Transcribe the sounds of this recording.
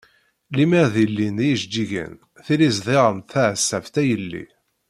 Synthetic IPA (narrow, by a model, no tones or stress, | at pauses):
limæɾðilːinijʒd͡ʒːiʝə̰n | θilizðˤeʁəmθæʕəsːæft̪æjəlːḭ